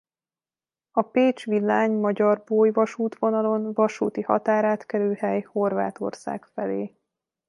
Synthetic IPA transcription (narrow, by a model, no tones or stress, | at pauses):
ɒpeːt͡ʃʋilːaːɲmɒɟɒrboːjvɒʃuːt̪ʋo̞nɒlo̞nvɒʃuːt̪ihɒ̰t̪aːɾaːt̪kɛɾøːhɛjho̞rva̰ːt̪o̞̰rsa̰ːkfɛleː